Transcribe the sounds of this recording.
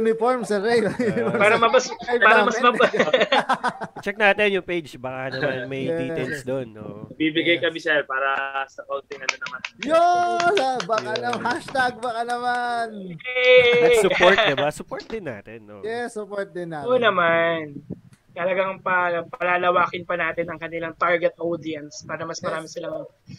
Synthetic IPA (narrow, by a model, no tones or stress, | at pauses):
ʊnɪfoɹmsɐɾejʊnɪfoɹpaːɾɐmɐbɐspaːɾɐmɐsmmɐb | t͡ʃɛk̚naːt̪ɪnjʊŋpejd͡ʒbɐkanɐmanmɐjd̪iɛlsd̪onːo̰bibɪɡajkɐbɪsɛlpaːɾɐsɐkow̪t̪ɪnɐnɐnɐmanjosabakanɐhaʃt̪aɡ̚bɐkanɐmanɛsʊpoɹt̚d̪ɪbbasʊpoɹt̪̚d̪ɪnːa̰ːt̪ɛnːojɛsːʊpoɹt̪̚d̪ɪnaʔoːnɐman | t̪ɐlɐɡaŋpɐpɐlaːlɐwaːkɪnpɐnaːt̪ɪnɐŋkɐnɪlaŋt̪aɹɡɛt̪ʔod̪iɐnspaːɾɐmɐsmɐɾaːmɪsɪlamɐɛ